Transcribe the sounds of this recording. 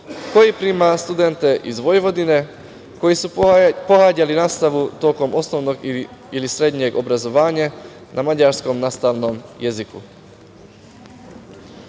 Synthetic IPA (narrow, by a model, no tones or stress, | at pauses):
ko̞jipɾiːmast̪ud̪ent̪e̞ʔizʋo̞jʋo̞d̪ine̞ | ko̞jisupo̞ɣaːɟalinaːst̪aʋut̪o̞ːko̞mo̞snoʋno̞ɡiilisɾe̞d̪ɲe̞ɡobɾazo̞ʋaːɲa | namad͡ʑaɾsko̞mnaːst̪aʋno̞mje̞zikṵ